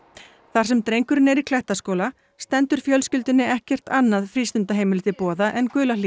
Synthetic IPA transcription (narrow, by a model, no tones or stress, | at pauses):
θaɾ̥sɛmt̪ɾejŋkʏɾɪnɛɾikʰlɛht̪askoːwla | st̪ɛnt̪ʏɾ̥fjœlscʏlt̪ɪnːɪɛhcɛr̥t̪anːaðfɾiːst̪ʏnt̪aɦejmɪlt̪ɪpɔːðaʔɛnkʏːlali